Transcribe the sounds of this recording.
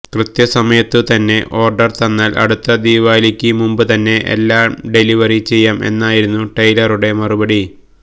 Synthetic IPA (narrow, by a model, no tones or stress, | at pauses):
krɨt̪jɐsɐmɐjɐt̪ːɨt̪ɐnːe̞ʔo̞ːrɖɐrt̪ɐnːaːlʔɐ̰ɽut̪ːɐd̪iːʋaːlikʲːɨmumbɨt̪ɐnːe̞ʔḛlːaːmɖe̞liʋɐrit͡ɕe̞jːaːme̞̰nːaːjiɾunːuʈɐjlɐruɽe̞mɐrubɐɽi